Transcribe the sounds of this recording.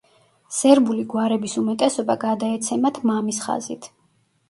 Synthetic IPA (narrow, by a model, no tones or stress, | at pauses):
sɛɾbuliɡwaɾɛbisumɛt̪ʼɛsɔbaɡad̪aɛt̪sʰɛmat̪ʰmamisχa̰zḭt̪ʰ